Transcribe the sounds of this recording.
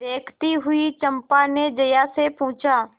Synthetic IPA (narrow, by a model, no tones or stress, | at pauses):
eːkʰt̪iɦʊit͡ʃɐ̃mpaned͡ʒɐjasepʊ̃ːt͡ʃaː